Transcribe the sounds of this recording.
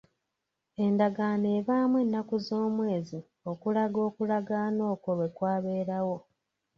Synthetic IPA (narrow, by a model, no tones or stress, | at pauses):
e̞ndaɡaːneːβaːmwe̞nːakuzo̞ːmwe̞ːzi | o̞kulaɡo̞ːkulaɡaːno̞ːkoβe̞kwaːβe̞ːɾawo̞